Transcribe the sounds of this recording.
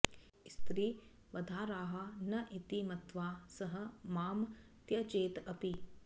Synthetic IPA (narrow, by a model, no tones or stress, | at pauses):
st̪ɾiː | ʋɐd̪ʱaːɾaːɦɐnɐʔit̪imɐt̪ʋaːsɐɦɐ̆maːm | t̪jɐt͡ʃeːt̪ɐpi